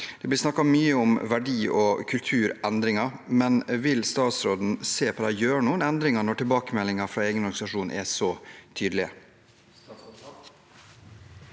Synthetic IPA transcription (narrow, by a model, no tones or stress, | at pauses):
d̪̥ɛblɪsnɑkːɑmyːəʊmʋæɖiːʔɔkʰʉlt̪ʰʉːɾɛnd̪ɾɪŋɑɾmɛnʋɪlst̪ɑːt̪sɾoːd̪n̩seːpʰɔd̪æjøːɾɳuːənɛnd̪ɾɪŋɑɳɔʈʰɪlbɑːkəmɛlːɪŋɑfɾɑːeːɡənɔɾɡɑnsɑʂuːnʔɛ̰sɔt̪ʰyːd̪əlɪə̰